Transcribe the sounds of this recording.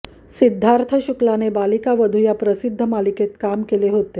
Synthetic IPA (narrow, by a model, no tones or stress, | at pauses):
sid̪ʱːaɾt̪ʰəɕuklanebalikaʋəd̪ʱujapɾəsid̪ʱːəmaliket̪kamkeleɦot̪e